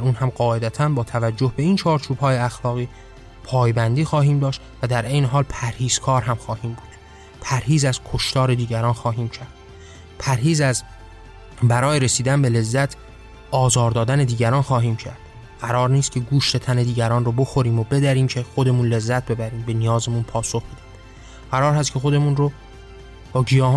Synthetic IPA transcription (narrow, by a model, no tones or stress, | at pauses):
uːnhæmɢɒːe̞d̪æt̪ʰænbɒːt̪ʰævæd͡ʒːo̞hbe̞iːnt͡ʃʰɒːɾt͡ʃʰuːbhɒːjeæxlɒːɣiː | pʰɒːjbænd̪iːxɒːɦiːmd̪ɒːʃt̪væd̪æɾʔe̞jneɦɒːlpʰæɾhiːz̥kʰɒːɾɦæmxɒːhiːmbuːd̪̥ | pʰæɾhiːzæzkʰo̞ʃt̪ɒːɾe̞d̪iːɟæɾɒːnxɒːɦiːmcʰæɾd̪̥ | pʰæɾɦiːzæz | bæɾɒːjeɾesiːd̪ænbe̞le̞zːæt̪ʰ | ɒːzɒːɾd̪ɒːd̪æne̞d̪iːɟæɾɒːnxɒːɦiːmcʰæ̰ɾd̪̥ | ɢ̥æɾɒːɾniːst̪̚cʰe̞ɡuːʃt̪e̞t̪ʰæne̞d̪iːɟæɾɒːnrobo̞xoɾiːmobe̞d̪æɾiːmcʰe̞xo̞d̪e̞munle̞zːæt̪̚ʰbe̞bæɾiːmbe̞nijɒːzemunpʰɒːsoxbed̪ænd̪ | ɢ̥æɾɒːɾhæst̪kcʰe̞xo̞d̪e̞munro | b̥ɒːɡijɒːh